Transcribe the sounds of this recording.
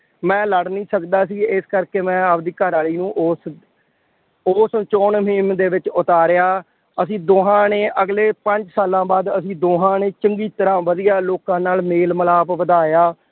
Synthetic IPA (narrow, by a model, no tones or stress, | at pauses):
mɛ̃ːləɽnĩːsəkd̪aːsiːɪskəɾkeːmɛ̃ːap̚d̪iːkəɾaːliːnũːʔoːs | oːst͡ʃoːnmɪmd̪eːʋɪt͡ʃʊt̪aːɾɪjaː | əsĩːd̪oːɦãːneːʔəɡleːpəɲd͡ʒsaːlãːbaːd̪əsĩːd̪oːɦãːneːt͡ʃəŋɡiːt̪əɾãːʋəd̪ijaːloːkãːnaːlmeːlməlaːpʋəd̪aːjaː